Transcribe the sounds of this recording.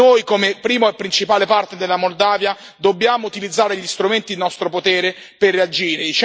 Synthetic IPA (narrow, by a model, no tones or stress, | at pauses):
ojkomepɾiːmoɛpːɾint͡ʃipaːlepart̪ed̪elːamold̪aːvja | d̪obːjaːmout̪ilid̪zːaːɾeʎist̪ɾument̪id̪inɔst̪ɾopot̪ɛːɾe | perːead͡ʒiːɾed̪it͡ʃ